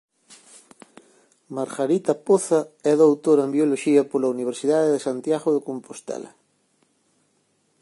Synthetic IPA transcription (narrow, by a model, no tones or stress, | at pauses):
maɾɣaɾit̪ɐpoθɐɛðowt̪oɾembjoloʃiɐpolɐuniβ̞eɾsiðaðeðesant̪jaɣoðekompost̪ɛ̰lɐ̰